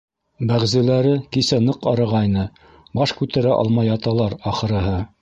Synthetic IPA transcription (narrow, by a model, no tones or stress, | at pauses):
bæʁzɘ̆læɾɘkisænɤqɑɾɤ̆ʁɑjnɤ | bɑʃkʉt̪æɾæʔɑ̰lˠmɑjɑt̪ɑlˠɑɾɑχɤ̆ɾɤ̆ɦɤ